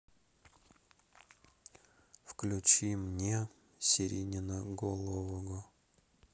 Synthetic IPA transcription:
fklʲʉt͡ɕimnʲe | sʲɪɾʲinʲɪnəɡolˠovəɡʊ

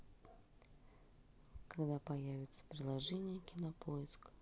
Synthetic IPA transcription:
kɐɡd̪apɐjævʲɪt̪sə̥pɾʲɪlˠɐʐɛnʲɪjəkʲɪnɐpojɪsk

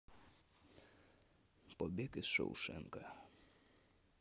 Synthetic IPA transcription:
pɔbʲekɪsʃɐ̰wʃɛ̰ŋkɐ

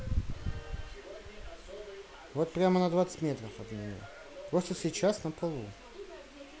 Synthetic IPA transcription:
vo̞t̪̚pɾʲamənəd̪vat̪sɨ̥tʲmʲe̞t̪ɾəfɐd̪nʲɪnʲo̰ | pɾosʂləsʲɪt͡ɕasnəpɐlˠu

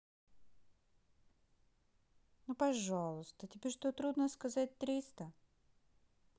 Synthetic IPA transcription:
nupɐʐalˠʊst̪ətʲɪbʲeʂt̪ot̪ɾud̪nəskɐzat̚ʲt̪ɾʲist̪ə

